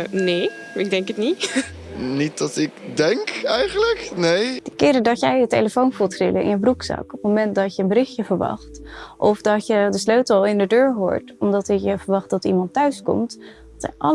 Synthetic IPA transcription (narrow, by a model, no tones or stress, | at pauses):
neː | ɪɡ̚dɛŋkətnit | nit̚d̥ɑtɪkdɛŋkɛjχənləknejd̥əkɪːɾədɑjɛjətejləfownvulˠtrɪləɪ̰nəbruksɑ̰kɔp̚momɛntdɑtjəənbərɪχjəvəɹʋɑ̰χtʔɔfdɑtjədəsløɥtəɑlˠɪndədøːɹɦo̰ːɹtɔmdɑtɪkjəvəɹʋɑχt̚dɑtimɑntœɥskɔ̰mtdɑtsɛ̰nʔɑl